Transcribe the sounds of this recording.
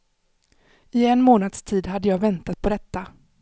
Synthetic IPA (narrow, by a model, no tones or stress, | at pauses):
ɪɛnmoːnad̪st̪ʰiːd̪ɦad̪ːəjɑːɡvɛnt̪at̪̚pʰɔd̪ɛt̪ːa